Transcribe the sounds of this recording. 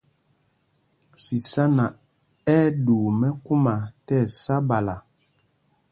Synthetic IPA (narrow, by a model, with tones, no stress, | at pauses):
si˨sa˦na˨ | ɛ˦duː˨mɛ˦ku˦ma˨tɛ˦˨sa˦ba˨la˨